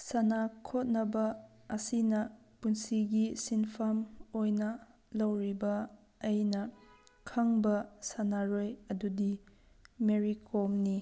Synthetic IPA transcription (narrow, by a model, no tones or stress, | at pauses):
sɐnakʰot̚nɐbɐ | ɐsinɐ | punsiɡisinpʰamojnɐ | lɐwɾibɐː | jnɐkʰɐŋbɐsanaɾojɐdudi | meɾikʰomni